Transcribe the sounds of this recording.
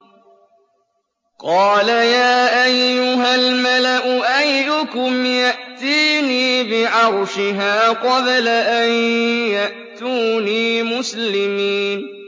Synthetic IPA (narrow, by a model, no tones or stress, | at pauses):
qɑːlajaːʔajːʊɦalmalaʔʊʔajːʊkʊmjaʔt̪iːniːbɪʕɑɾˤʃɪɦaːqɑblaʔajjaʔt̪uːniːmʊslɪmiːn